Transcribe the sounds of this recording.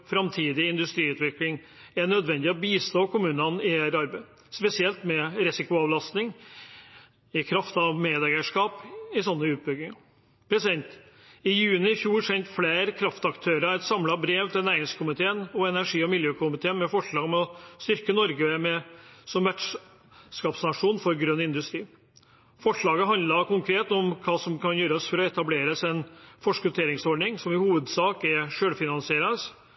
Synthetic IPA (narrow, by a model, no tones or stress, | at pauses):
fɾɑmt̪ʰiːd̪ɪɪnd̪ʉst̪ɾiːʉːt̪ʋɪklɪŋ | æɳœd̪ʋɛnd̪ɪɔbiːst̪oːkʊmʉːnɑnɪeɾɑɾbæɪ | spɛsɪɛlt̪mɛɾisɪkʊɑːʋlɑst̪nɪŋ | ɪkʰɾɑft̪ɑʋmeːd̪æɡəʂkɑːpɪsɔnːəʉːt̪̚bʏɡɪŋɑ | pʰɾɛsɛnt̪ | ɪjʉːnɪɪfjuːɾsɛnt̪fleːɾkʰɾɑft̪ɑkt̪ʰøːɾəæt̪sɑmlɑbɾeːʋt̪ʰɪlnæɪɪŋskʰʊmɪt̪ʰeːənɔɛnæʂiːɔmɪljøːkʰʊmɪt̪ʰeːənmɛfɔʂɭɑːɡmɛɔst̪ʏɾkənɔɾɡəmɛsɔmʋæʈʂ | skɑːpsnɑʂuːnfɔɾɡɾœnːɪnd̪ʉst̪ɾiː | fɔʂɭɑːɡəɦɑnd̪lɑkʊŋkʰɾeːt̪ɔmkʰɑːsɔmkʰɑnjøːɾəɔsfɔɾɔɛt̪ɑbleːɾəsɛnfɔʂkʉt̪ʰeːɾɪŋsɔɖnɪŋsɔmɪhuːʋəd̪sɑːkɛɾʂøːlfɪnɑnsɪeːɾəəs